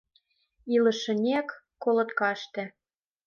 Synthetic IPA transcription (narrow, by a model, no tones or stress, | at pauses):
ilɤ̆ʃə̆nʲekː | olɤ̆t̪kɑʃt̪ĕ